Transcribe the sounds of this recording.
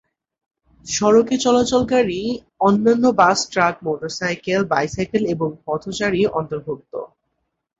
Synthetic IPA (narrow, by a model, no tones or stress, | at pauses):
ʃɔɾoket͡ɕɔlat͡ɕolkaɾi | ɔnːanːobasʈɾak̚moʈoɾsajkelbajsajkeleboŋpɔt̪ʰot͡ɕaɾiʔɔnt̪oɾbʱuk̚t̪o̰